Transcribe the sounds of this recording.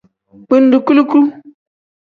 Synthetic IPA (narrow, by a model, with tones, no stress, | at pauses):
k͡pɨ˦n˦du˨ku˦lu˦klu˦